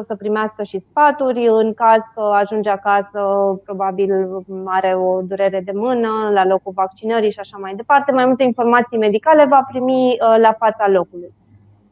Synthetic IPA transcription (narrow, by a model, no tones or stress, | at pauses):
səpɾimeaskəʃisfat̪uɾʲɨŋkazkəaʒund͡ʒakasəpɾo̞babilaɾe̞o̞d̪uɾe̞ɾe̞d̪e̞mɨnəlalo̞kulvak̚t͡ʃinəɾiʃiaʃamajd̪e̞part̪e̞majmult̪einfo̞rmat̪sijme̞d̪ikale̞vapɾimilafat̪salo̞kuluj